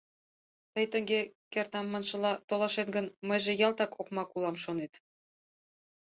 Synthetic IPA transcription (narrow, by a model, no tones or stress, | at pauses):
t̪əjt̪ə̆ŋɡekert̪ɑmːɑnʃɤ̆lɑt̪olɑʃet̪ɡə̆nməjʒejɑlt̪ɑkokmɑkulɑmʃonet̪